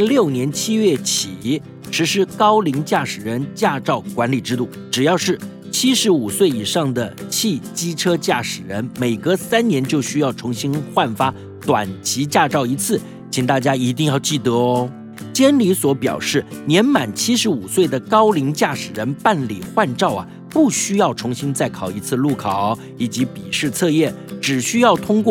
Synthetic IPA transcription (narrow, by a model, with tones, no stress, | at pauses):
ljo˥˩ʊnjɛ˧˥nt͡ɕʰi˥ɥɛ˥˩t͡ɕʰi˨˩ | ʂɻ̩˧˥ʂɻ̩˥kɑ˥ʊli˧˥ŋt͡ɕja˥˩ʂɻ̩˨˩ɻə˧˥nt͡ɕja˥˧ʈ͡ʂɑ˥˩ʊkwa˧˥nli˨˩ʈ͡ʂɻ̩˥t̪u˥˩ʈ͡ʂɻ̩˨˩jɑ˥˧ʊʂɻ̩˥˩ | t͡ɕʰi˥ʂɻ̩˧˥u˨˩swe˥˩ɪi˨˩ʂɑ˥˩ŋd̪ə˩t͡ɕʰi˥˩t͡ɕi˥ʈ͡ʂʰɤ˥t͡ɕja˥˩ʂɻ̩˨˩ɻə̰˧˥nme˨˩ɪɡə˧sa˥nnjɛ˧˥nt͡ɕjo˥˩ʊɕy˥jɑ˥˩ʊʈ͡ʂʰʊ˧˥ŋɕi˥nxwa˥˩nfa˥ | t̪wa̰˨˩nt͡ɕʰi˧˥t͡ɕja˥˧ʈ͡ʂɑ˥˩ʊi˧˥t͡sʰɹ̩˥˩ | t͡ɕʰi˨˩ŋt̪a˥˩t͡ɕja˥i˧˥t̪̬i˥˧ŋjɑ˥˧ʊt͡ɕi˥˩t̪ɤ˩˦ɔ˧˦ | t͡ɕjɛ˥nli˧˥swɔ˧˥pjɑ̰˨˩ʊʂɻ̩˥˩njɛ˧˥nma˨˩nt͡ɕʰi˥ʂɻ̩˧˥u˨˩swe˥˩ɪd̪ə˩kɑ˥ʊli˧˥ŋt͡ɕja˥˩ʂɻ̩˨˩ɻə˧˥npa˥˩nlḭ˨˩xwa˥˧nʈ͡ʂɑ˥˩ʊɐ̰˩ | pu˥˩ɕy˥jɑ˥˩ʊʈ͡ʂʰʊ˧˥ŋɕi˥nt͡sa˥˩ɪkʰɑ˨˩ʊi˧˥t͡sʰɹ̩˥˧lu˥˩kʰɑ˨˩˦ʊ | i˨˩t͡ɕi˧˥pi˨˩ʂɻ̩˥˧t͡sʰɤ˥˧jɛ˥˩ʈ͡ʂɻ̩˨˩ɕy˥jɑ˥˩ʊt̪ʰʊ˥ŋkwɔ˥˩